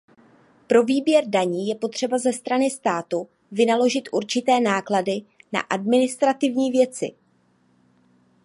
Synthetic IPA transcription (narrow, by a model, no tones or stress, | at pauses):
pɾo̞viːbjɛɾdaɲiːjɛpo̞t̪r̝̥ɛbazɛst̪ɾanɪst̪aːt̪u | vɪnalo̞ʒɪt̪ʔuɾt͡ʃɪt̪ɛːnaːkladɪna̰ʔadmɪnɪst̪ɾat̪ɪvɲiːvjɛt͡sɪ̰